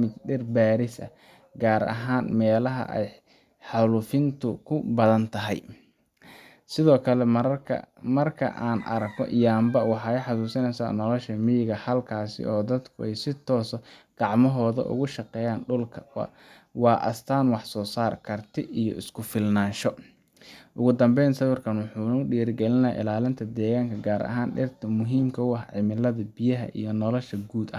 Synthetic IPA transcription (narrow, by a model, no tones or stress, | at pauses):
mɪd̪ɖɛrbaːɾɪsɐ̰ | ɡaːɾɐ̰ɦaːnmɛːlɐɦɐ̰ʔɛ̰j | ħɑlufɪnt̪ʰʊkʰʊbɐðɐnt̪ʰɐɦɛ̰j | sɪðɔːkʰɐlɛ̰ | mɐrkʰɐ̰ʔaːnɐ̰ɾɐkɔ̰ʔjaːmbɐwɑħɑːɛħɑsuːsɪnɛsa̰ːnɔlɔʃɐmɪjɪɣɐhɐlkʰaːsɪ̰ʔɔːd̪ɐd̪kʰʊʔɛjsɪt̪ʰɔːsɔɡ̥ɑʕmɔɦɔːðɐ̰ʔʊ̰ɣʊʃɑqɛːjaːnɖʊlkʰɐw̰ | wɑːʔɐ̰st̪ʰaːnwɑħsɔːsaːrkʰɐrt̪ʰɪijɔ̰ʔɪskʰʊfɪlnaːnʃɔ | ʔʊɣʊd̪ɐmbɛjnsɐβʊrkʰɐnwɑħuːnʊɖiːɾɡɛlɪnɐha̰ʔɪ̰laːlɪnt̪ʰɐd̪ɛːɣaːŋkʰɐɡaːɾɐ̰ɦaːnɖɪ̰rt̪ʰɐmʊɦiːmkʰɐʊɐħʕɪmɪlɐðɐbɪjɐɦɐ̰ʔḭjɞnɔlɔʃɐɡuːd̪ɐ